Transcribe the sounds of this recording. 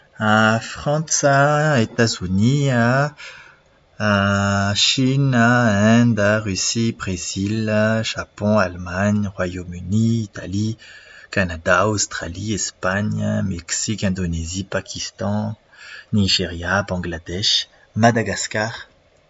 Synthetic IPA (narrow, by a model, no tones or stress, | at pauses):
afχɑ̃saet̪azynia | aʃinaɛ̃d̪aʁysibʁezilʒ̥apɔ̃almaɲʁwajomyniːt̪alikanad̪aost̪χaliɛspaɲmɛksikɛ̃d̪onezipakʲʰist̪ɑ̃ | niʒeʁjabɑ̃ɡlad̪ɛʃ | mad̪aɡaskaʁ